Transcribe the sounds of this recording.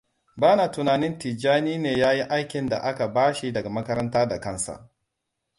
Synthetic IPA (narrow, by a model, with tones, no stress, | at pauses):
baː˦naː˨tʊ˨naː˨nɪ˦nti˨d͡ʒaː˦niː˦neː˨jaː˦ji˦ʔa˦jkʲɪ˨nda̰˨ʔa˦ka˨baː˦ʃi˨dɐ˨ɡa˨mɐ˦kɐ˦ɾɐ˦ntaː˦da˨kɐ˦nsa̰˨ʔ